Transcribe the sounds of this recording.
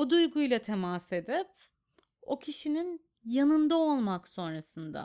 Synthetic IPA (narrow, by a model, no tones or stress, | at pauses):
od̪ujɡujlˠat̪ʰe̞mase̞d̪ip | o̞cʰiʃinin | janɯnd̪ao̞lˠmakso̞nɾasɯnd̪a̰